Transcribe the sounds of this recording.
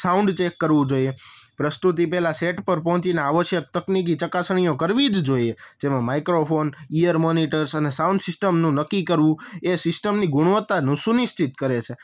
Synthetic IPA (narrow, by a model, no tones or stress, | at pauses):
saũɳɖt͡ʃekːəɾʋũd͡ʒoiepɾəst̪ut̪ipɛɦlaseʈpəɾpɔ̃ɦɔ̃t͡ʃineaʋəʃjək̚t̪əknik̬it͡ʃəkasɳ̃ijõkəɾʋid͡ʒd͡ʒoied͡ʒemãmaikɾofonijəɾmoniʈəɾsənesaũɳɖsɪsʈəmnũnəkːikəɾʋũesɪsʈəmniɡuɽ̃ʋət̪ːanũsuniʃt͡ʃit̪̚kəɾet͡ʃʰe